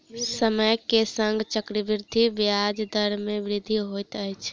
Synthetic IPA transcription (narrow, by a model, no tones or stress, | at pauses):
səməjkesəŋɡt͡ʃəkɾəbiɾd̪ʱibjad͡ʒd̪əɾmeʋɾid̪ʱːiɦojt̪əjt͡ʃʰ